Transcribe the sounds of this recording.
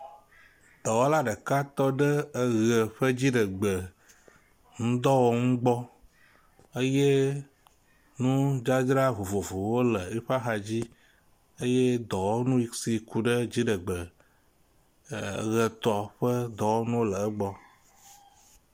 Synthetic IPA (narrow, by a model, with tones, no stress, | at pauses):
d̪̥ɔ˨wo˦la˦ɖə˨ka˦t̪ɔ˦ɖə˦ə˦ɣə˨ɸə˦d͡ʑi˦ɖə˨ɡ͡bə˨ | ŋũ˦d̪ɔ˦wo˦ŋũ˦ɡ͡bɔ˦ | ə˦je˦ | nũ˦d͡ʒa˦d͡ʒɾa˦vo˨vo˨vo˨wo˦lə˨i˦ɸa˦xa˨d͡ʑi˦ | ə˦je˦d̪ɔ˨wo˦nũ˦i˨˦ksi˨ku˨ɖə˦d͡ʑi˦ɖə˨ɡ͡bə˨˦ | ɣə˨t̪ɔ˨ɸə˦d̪ɔ˨wo˦nũ˦wo˦lə˨ə˦ɡ͡bɔ˦